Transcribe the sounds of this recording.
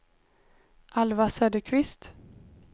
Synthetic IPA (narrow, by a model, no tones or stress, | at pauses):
ʔalvasøːd̪əkʰvɪst̪